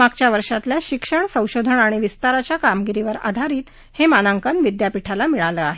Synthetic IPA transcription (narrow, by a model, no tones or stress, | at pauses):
aɡ̚t͡ɕjaʋəɾʂat̪ljaɕikʂəɳsə̃w̃ɕod̪ʱəɳaɽ̃iʋist̪aɾat͡ɕjakamɡiɾiʋəɾa̰d̪ʱaɾiːt̪ | hemanaŋkənʋid̪japiʈʰalamiɭaləaɦe